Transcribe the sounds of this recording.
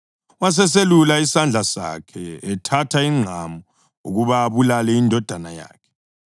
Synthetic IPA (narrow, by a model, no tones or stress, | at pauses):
was̬ɛs̬elulaisand͡ɮʱasa̰kʰɛɛtʰatʰaiŋ͡ǀʱamɔ | uɣuβaːβulalɛindʱɔd̥ʱanaja̰ːkʰɛ̥